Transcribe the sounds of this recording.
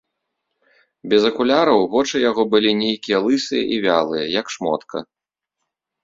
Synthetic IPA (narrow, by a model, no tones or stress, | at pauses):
bʲɛzɐkulʲaɾɐwvɔt͡ʂɨjaɣɔbɨlʲinʲejkʲijɐlˠɨsɨjɐ̰ʔivʲa̰lˠɨjɐjɐkʂmɔ̰t̪kʰɐ̰